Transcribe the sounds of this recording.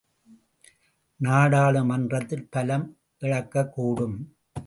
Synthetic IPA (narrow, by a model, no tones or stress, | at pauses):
naːɽaːɭɯmɐndrɐt̪ːɪlpɐlɐm | ʔɪɻɐkːɐkːuːɽɯm